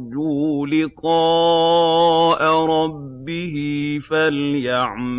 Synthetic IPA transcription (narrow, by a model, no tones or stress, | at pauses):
d͡ʒulɪqɑː | ʔaɾˤɑbːɪhɪfaljaʕm